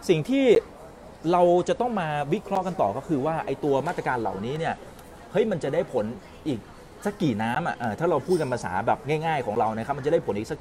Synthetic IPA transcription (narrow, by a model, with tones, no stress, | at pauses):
si˨˩ŋt̪ʰiː˥˩ | ɾa˧wt͡ɕa˨˩ʔt̪ɔ˥˩ŋmaː˧wi˦˥kʰɾɔ˦˥ʔka˧nt̪ɔː˨˩kʰa˦˥wkʰɯː˧waː˥˩ʔa˧jt̪u˧ɐmaː˥˩t̪ɾa˧kaː˧nla̰˨˩wniː˦˥ni˥˩ɐ | hɤ˦˥jma˧nt͡ɕa˨˩daː˥˩jpʰo˩˦n | ʔiː˨˩k̚ | sa˦˥kːiː˨˩naː˦˥mʔa̰˨˩ʔaː˨˩t̪ʰaː˥˩ɾa˧wpʰuː˥˩t̪̚ka˧npʰa˧sa̰ː˩˦bɛː˨˩p̚ŋaː˥˩jŋaː˥˩jkʰɔː˩˦ŋɾa˧wna˦˥ka˦˥pm˧nt͡ɕa˨˩da˥˩pʰo˩˦nʔiː˨˩k̚sa˦˥